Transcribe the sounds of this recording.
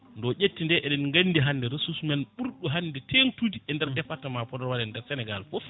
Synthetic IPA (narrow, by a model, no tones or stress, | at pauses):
ndɔʔʲetːindɛʔɛɗɛnŋɡanːdiɦanːdɛɾesusmɛnɓuɾɗuɦanːdɛtʰentudiʔɛndɛɾdɛfatamapɔdɔɾwaɗɛndɛɾsɛnɛɡalfɔf